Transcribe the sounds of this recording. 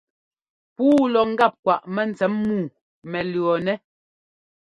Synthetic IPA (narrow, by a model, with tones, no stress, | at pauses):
puː˦lɔ˨ŋ̩˦ɡa˦˨p̚kwa˨ʔmɛ˦˨n̩˨t͡sɛ˨˦mːuː˦˨ | mɛ˨lɰɔ˨nɛ˦